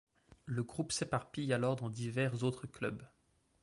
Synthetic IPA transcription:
ləɡʁupsepaʁpijalɔʁd̪ɑ̃d̪ivɛʁzot̪χəklœ̰b

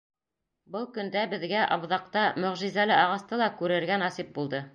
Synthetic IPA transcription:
bɤlˠkɵ̆nd̪æbɘ̆ðɡæʔɑβðɑq̚t̪ɑmɵ̆ʁʒizælɘɑʁɑst̪ɤlˠɑkʉɾɘ̆ɾɡænɑsip̚bulˠd̪ɤ

